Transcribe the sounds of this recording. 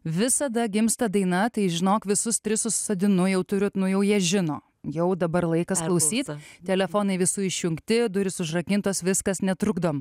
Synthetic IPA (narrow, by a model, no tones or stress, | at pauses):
ʋʲɪsɐd̪ɐɡʲɪmst̪ɐd̪ɐɪnɐt̪ɐɪʒʲɪnoːkʋʲɪsʊst̪ʲɾʲɪsʊssɐd̪ʲɪnʊjɛʊt̪ʊɾʲʊt̪nʊjɛʊjiɛʒʲɪnoː | jɛʊd̪ɐbɐrlˠɐɪkɐsklˠɐʊsʲiːt̪t̪ʲɛlʲɛfoːnɐɪʋʲɪsuːɪʃʲjʊŋkt̪ʲɪd̪ʊɾʲɪsʊʒrɐkʲɪnt̪oːsʋʲɪskɐsnʲɛt̪ɾʊɡd̪oːm